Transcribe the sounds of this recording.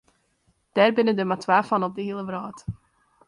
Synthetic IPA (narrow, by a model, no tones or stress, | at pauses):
d̥ɛɾbɪnədəmatʰvaːfanɔp̚dəhilˠəvɾɑːd